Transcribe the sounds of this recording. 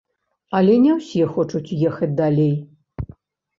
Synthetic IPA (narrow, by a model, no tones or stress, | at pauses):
ɐlʲɛnʲɛwsʲɛxɔt͡ʂut͡sʲjɛxɐt͡sʲd̪alʲej